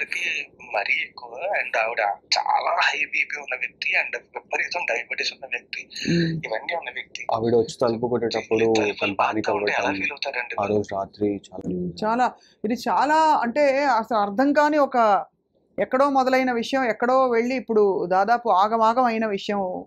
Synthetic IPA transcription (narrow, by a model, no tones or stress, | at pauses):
ɐkimɐɾiekːɐɳɖɐʋiɽt͡ʃa̰ːlaːhɐjbiːpiːunːɐʋjɐk̚t̪iɐɳɖipːɐɾit̪ɐmɖɐjbɐʈːesunːɐʋjɐk̚t̪iiʋɐnːiːunːɐʋjɐk̚t̪iɐ̰ʋiɽɐʋɐt͡ʃːi̥t̪ɐlp̬ukoʈːeːʈɐpːuɽut̪ɐɐpʰaːnikɐbɐɛlaːfiːlɐwt̪aɾɐɳɖiɐɾoːsɾaːt̪ɾit͡ʃaːt͡ʃaːlaː | id̪it͡ʃaːlaːɐɳʈe̞ːɐsɐlɐɾd̪ʱɐŋkaːniːɔkɐ | ɛkːɐɽo̞ːmɔd̪ɐlɐjinɐʋiʂɐjɐmɛkːɐɽo̞ːʋe̞ɭːiːpːuɽud̪aːd̪aːpuaːɡɐmaːɡɐmɐjinɐʋiʂɐjɐm